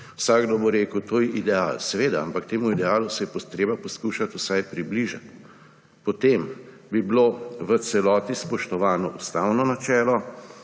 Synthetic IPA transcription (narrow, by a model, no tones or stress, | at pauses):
wsaɡd̪oboɾeːkəwt̪oːjɛʔid̪ɛaːlsɛʋeːd̪aampakt̪eːmuid̪ɛaːlusɛjɛpɔt̪ɾeːbapɔskuːʃat̪usajpɾibliʒa̰t̪ | pɔt̪em | bibloʋəsɛlɔːt̪ispɔʃt̪ɔʋaːnɔʔust̪aːwnɔnat͡ʃɛːlɔ